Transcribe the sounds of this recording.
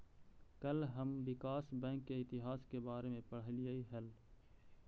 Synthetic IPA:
kəlɦəmwɪkaːsbɛ̃ːŋkːeɪt̪ɪɦaːskebaːɾemẽpəɽ̤lijaiɦɛl

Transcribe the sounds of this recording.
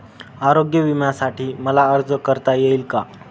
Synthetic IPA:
aɾoɡjəʋimjasaʈiːməlaəɾd͡zəkəɾt̪ajeilka

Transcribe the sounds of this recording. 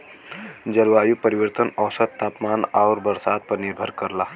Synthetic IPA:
d͡ʒəɾuajupəɾiwəɾt̪ənəwsət̪t̪ːapmanaʊɾbəɾsad̪̚pəɾniɾbʱəɾkəɾla

